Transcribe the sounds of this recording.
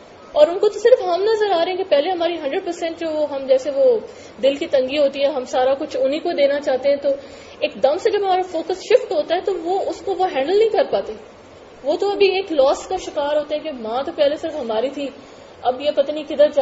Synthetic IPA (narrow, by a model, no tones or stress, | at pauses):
ɔːɾʊnkot̪osɪɾfɦɐmnɐzəɾaːɾɐɛ̃kepɛɦleɦɐmaːɾiɦɐ̃ɳɖɾəɖ̚pɐɾsɛ̃ɳʈd͡ʒoːɦɐmd͡ʒɛːseʋo | d̪ɪlkit̪ɐ̃ŋɡiɦoːt̪iɦɛɦɐmsaːɾakʊt͡ʃʰʊnɦikod̪eːnat͡ʃaːɦt̪eɦɛ̃t̪o | eːkd̪ɐmsed͡ʒɐbɦɐmaːɾafoːkəsʃɪfʈɦoːt̪aɦɛt̪oʋoʊskoʋoɦɛ̃ːɳɖəlnɐ̃ɦĩkɐɾpaːt̪e | ʋoːt̪oɐbʱieːklɔːskaʃɪkaːɾɦoːt̪eɦɛ̃kemãːt̪opɛɦlesɪɾfɦɐmaːɾit̪ʰi | ɐbjepɐt̪anĩkɪd̪əɾd͡ʒa